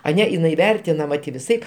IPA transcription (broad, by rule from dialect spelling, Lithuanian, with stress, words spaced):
ɐˈnʲɛ ɪˈnɐɪ ˈʋʲɛrʲtʲɪnɐmɐ tʲɪ ʋʲɪˈsɐɪp